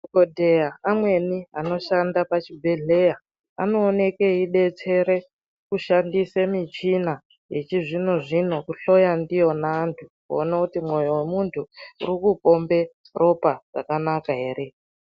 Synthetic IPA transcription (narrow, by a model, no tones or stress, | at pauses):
kodʱejaamwe̞niano̞ʃandapat͡ʃibʱe̞ɮe̞ja | a̰no̞ːne̞keiɗe̞t͡se̞ɾe̞ | kuʃandisemit͡ʃina | jet͡ʃiʐino̞ʐino̞kuɬo̞jandijo̞naːntʰukuonakutimwo̞jowemuntʰuṵrikupo̞mbe̞ | rʔo̞paʐa̰kanakaɦe̞ːɾe̞